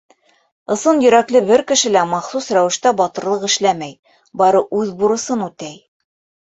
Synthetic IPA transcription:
ɤ̆sɤnjɵ̆ɾæklɘbɘɾkɘ̆ʃɘ̆læmɑχsusɾæwɘ̆ʃt̪æbɑt̪ɤ̆ɾlˠɤqɘ̆ʃlæmæj | bɑɾɤʔʉðbuɾɤ̆sɤnʉt̪æj

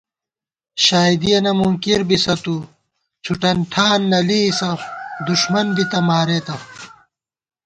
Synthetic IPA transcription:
ɕaːid̪ijenɐmumkiɾbisɐt̪u | t͡ɕʰuʈɐnʈʰaːnːɐlisɐd̪uɕmɐnbit̪ɐmaːɾeːt̪ɐ

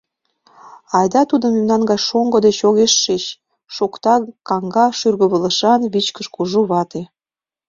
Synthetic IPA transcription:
ɑjd̪ɑt̪ud̪ə̆memnɑnɡɑjʃoŋɡŏd̪et͡ɕoɣeʃːet͡ɕ | ʃokt̪ɑkɑŋɡɑʃyrɣə̆βələ̆ʃɑnβit͡ɕkəʃkuʒuβɑt̪e

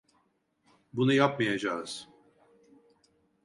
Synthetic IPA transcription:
bunujapmajad͡ʒaːɯz̥

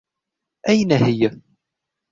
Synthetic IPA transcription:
ʔæjnæhɪjːa

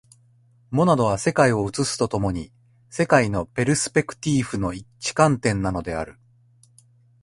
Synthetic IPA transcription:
mo̞nad̪o̞βase̞kaio̞ɯ̟t͡sɨsɨ̥t̪o̞t̪o̞mo̞ɲ̟i | se̞kaino̞pe̞ɾɯ̟sɨ̥pe̞kɯ̟̥t̪ʲiːɸɯ̟no̞it͡ɕi̥kãnt̪ẽ̞nːano̞d̪e̞a̰ɾɯ̟

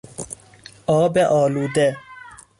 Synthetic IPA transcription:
ɔbɛʔɔːludɛ

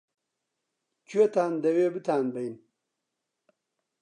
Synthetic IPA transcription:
t͡ɕʰuet̪aːnd̪ɐwebit̪ʰaːnbɐjn

